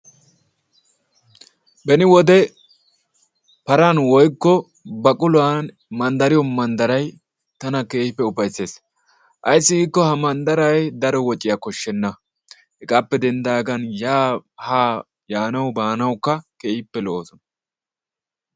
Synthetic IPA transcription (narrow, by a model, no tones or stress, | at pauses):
bɛnɪwɔd̪ɛ | pɐɾɐnwɔjkːɔ | bɐkʼʊlʊaːn | mɐnd̪ɐɾɪjɔmɐnd̪ɐɾɐj | t̪ɐnɐkeːhɪpːɛʊpɐjsːe̞ːs | ʔɐjsːɪɡiːkːɔhɐmɐnd̪ɐɾɐjd̪ɐɾɔwɔt͡ʃʼːɪjakɔʃːɛnːɐ | hɛkʼapːɛd̪ɛnd̪aːɡɐnjaːhaː | jaːnɐwbaːnɐwkːɐkeːhɪpːɛlooːsɔnɐ